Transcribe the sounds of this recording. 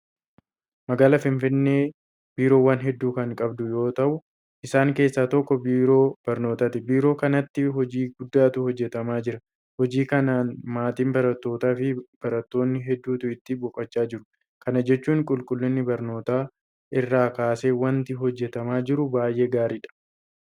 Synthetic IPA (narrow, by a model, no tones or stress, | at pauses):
mɐɡaːlɐfɪnfɪnːeː | biːɾo̞ːwɐnɦɛd̪ːuːkɐŋkʼɐbd̪ʊjo̞ːt̪ɐʔʊ | ʔɪsaːŋke̞ːsːaːt̪ɔkːɔbiːɾo̞ːb̥ɐɾno̞ːt̪aːt̪ɪbiːɾo̞ːkɐnɐt̪ːɪɦɔd͡ʒiːɡʊd̪ːaːt̪ʊhɔd͡ʒːɛt̪ɐmaːd͡ʒɪɾɐ | hɔd͡ʒiːkɐnaːnmaːt̪iːmbɐɾɐt̪ːo̞ːt̪aːfɪb̥ɐɾɐt̪ːo̞ːnːɪɦɛd̪ːuːt̪ʊɪt̪ːɪbɔkʼːɐt͡ʃʼːaːd͡ʒɪɾʊ | kɐnɐd͡ʒɛt͡ʃːuːŋkʼʊlkʼʊlːɪnːɪbɐɾno̞ːt̪aː | ʔɪrːaːkaːse̞ːwɐnt̪ɪɦɔd͡ʒːɛt̪ɐmaːd͡ʒɪɾʊbaːjʔe̞ːɡaːɾiːᶑɐ̥